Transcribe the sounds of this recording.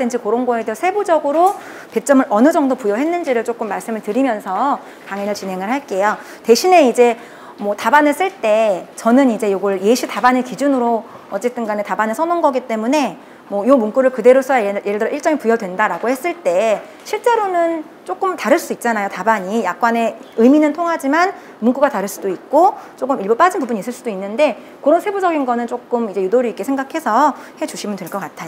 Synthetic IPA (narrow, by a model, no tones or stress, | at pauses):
ɯnd͡ʑikoɾoŋɡoedesʰe̞bud͡ʑʌɡɯɾo | ke̞t͡ɕ͈ʌmɯɾʔʌnɯd͡ʑʌŋdopujʌɦe̞nːɯnd͡ʑiɾɯɭt͡ɕ͈ok͈ɯmːaɭs͈ɯmɯɭtɯɾimjʌnsʰʌ | kaŋenɯɭt͡ɕinɦe̞ŋɯɭhaɭk͈e̞jo | te̞ɕʰine̞id͡ʑe̞ | mwʌtabanɯs͈ɯɭt͈e̞t͡ɕʌnɯnid͡ʑe̞joɡʌɭjeɕʰitabanɯkid͡ʑunɯɾo | ʌt͡ɕ͈e̞t͈ɯnɡanetabanɯsʰʌnonɡʌɡit͈e̞mune̞ | mwʌjomuŋk͈uɾɯɭkɯde̞ɾosʰʌjeɾɯɭdɯɾʌiɭt͡ɕ͈ʌŋipujʌdwe̞ndaɾaɡohe̞s͈ɯɭt͈e̞ | ɕʰiɭt͡ɕ͈e̞ɾonɯn | t͡ɕ͈ok͈ɯmtaɾɯɭs͈uduik̚t͡ɕ͈anajotabaɲijak̚k͈wane̞ | ɯjminɯntʰoŋɦad͡ʑiman | muŋk͈uɡataɾɯɭs͈udoik̚k͈ot͡ɕ͈ok͈ɯmiɭbop͈ad͡ʑinpubuɲis͈ɯɭs͈udoinːɯnde̞ | koɾʌnsʰe̞bud͡ʑʌɡinɡʌnɯnt͡ɕ͈ok͈ɯmid͡ʑe̞judoɾiːk͈e̞sʰe̞ŋɡakʰe̞sʰʌhet͡ɕuɕʰimɯntweɭk͈ʌk͈atʰajo